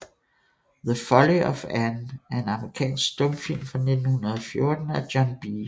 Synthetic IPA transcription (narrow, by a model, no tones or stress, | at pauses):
ðəfɒliɒfænæɐe̝nɑ̈məʁikʰɛ̰ːnsɡ̥sd̥ɔ̽mfil̰mfʁɑ̈ne̝d̥n̩hunɐð̞̩ˠɒfjo̝ɐd̥n̩æd̥jɒnb̥i